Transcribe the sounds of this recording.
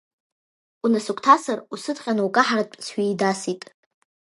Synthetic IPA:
unasukʷʰʼtʰasarusɨdqʲʼanukʼaħarpʼsħʷᶣiidasitʼ

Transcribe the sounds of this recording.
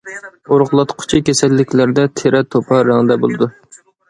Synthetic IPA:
oɾʁlˠɑt̪qʰʊ̥t͡ʃʰikʲesɛlːɪkʲlæɾd̪ɛt̪ʰeɾɛt̪ʰopʰɑɾɑŋd̪ɛbolˠɨd̪u

